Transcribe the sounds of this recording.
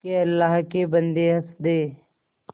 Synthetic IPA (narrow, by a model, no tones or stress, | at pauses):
keəlːaːɦkebə̃nd̪eɦəsd̪eː